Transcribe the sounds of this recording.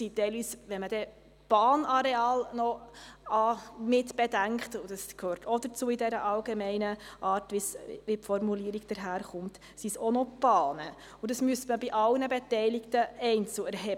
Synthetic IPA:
sitɛɪlʋiːsʋɛnmədɛ | b̥ɑːnɑɾeɑːlnɔɑmɪtb̥ɛdæŋkχtʊd̥ɑskhøːɾtʰɔd̥əɾt͡suːɪdɛɾəʔɑlɡemɛɪnəʔɑːɾtʋisʋipfɔɾmuliːəɾiɡd̥əɾɦæːɾχʊmt | sisɔnɔb̥ɑːnə | ʊdɑsmyəstməbiʔɑlnəbɛtɛɪlɪktəɛɪnt͡suɛɾɦɛ

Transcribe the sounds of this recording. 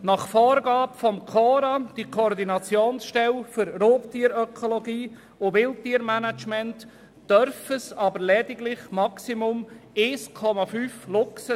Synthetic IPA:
nɑχfɔːɾɡɑːpfɔmkʰɔːɾad̥ikʰoɾdinɑt͡sjoːnsʃtɛlfʏɾroːptiːəɾœkʰoloɡiː | ʊʋɪltːiːəɾmænat͡ʃmɛntː | d̥œɾfəsɑbəɾlɛdɪɡlɪχmɑksimʊmeskʰɔmɑfyːflʊksə

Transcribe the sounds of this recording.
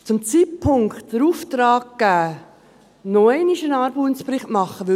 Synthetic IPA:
t͡sʊmt͡sit̚pʰʊŋktd̥əɾuːft̪ɾɑːɡɡ̥æː | noɛɪnɪʃənɑːɾbuːnsprɪχtmɑχːəʋʏ

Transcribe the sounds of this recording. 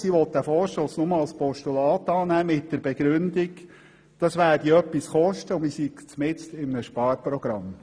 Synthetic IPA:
siʋɔt̪dæfɔːɾʃtoːsnʊməɑlspɔʃtulɑːt̪ɑːnæːmɪt̚d̥ɛɾb̥ɛɡ̥ɾʉndɪɡ | d̥ɑsʋæːɾdiœpːisχɔʃtəʊmisiɡt͡smɪt͡stɪmənəʃpɑːɾpɾɔɡ̥ɾɑm

